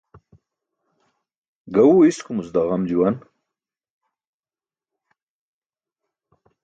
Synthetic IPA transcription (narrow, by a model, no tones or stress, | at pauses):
ɡauiskumusd̪aʁɐmd͡ʑuwɐn